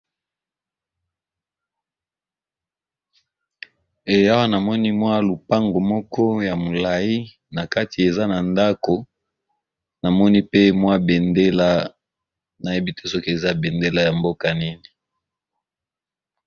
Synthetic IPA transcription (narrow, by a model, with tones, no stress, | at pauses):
e˨ja˦wa˦na˨mɔ˦ni˦mwa˦lu˨pa˦ŋɡo˨mɔ˦kɔ˦ja˨mo˨la˨ji˦ | na˨ka˦ti˨e˨za˦na˨nda˦ko˨ | na˨mɔ˦ni˦pe˦mwa˦be˨nde˦la˦ | na˨je˦bi˦te˦so˦ke˨za˦be˨nde˦la˦ja˨mbo˦ka˨ni˦ni˨